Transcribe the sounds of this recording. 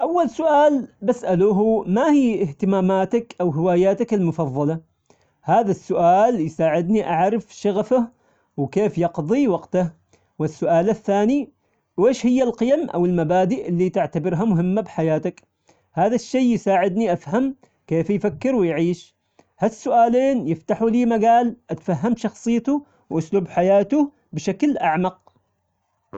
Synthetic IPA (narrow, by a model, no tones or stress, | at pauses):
ʔawːalsʊʔaːlbasʔaluːɦumahiːɪht̪ɪmaːmaːt̪akʔawɦɪwaːjaːt̪akɪlmʊfɑðˤːɑlɑ | haːðasːʊʔaːljsaːʕɪd̪niʔaʕɾɪfʃaɣafa | wkeːfjɑqðˤiwɑqt̪ah | wɪsːʊʔaːlaθːaːni | wʔeːʃhɪjːalqɨjamʔa̰wɪlmabaːd̪ɪʔɪlːit̪ɪʕt̪abɪɾɦamʊɦɪmːabħajaːt̪ak | haːðaʃːejːjsaːʕɪd̪niʔafham | keːfjfakːɪɾwɪjʕiːʃ | hasːʊʔaːleːnjɪft̪aħuliːmaɡaːlʔat̪faɦːamʃɑxsˤɨjːt̪ʊ | wʔaslubħajaːt̪ʊ | bɪʃaklʔaʕmɑq̚